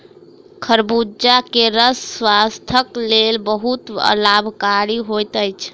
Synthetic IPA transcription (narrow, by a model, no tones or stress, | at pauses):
kʰəɾbud͡ʒakeɾəsːwast̪ʰəklelbəɦut̪ə̰labʱkaɾiɦojt̪əjt͡ʃʰ